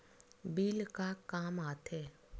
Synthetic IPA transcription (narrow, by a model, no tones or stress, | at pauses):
biːlkakaːmaːt̪ʰɛː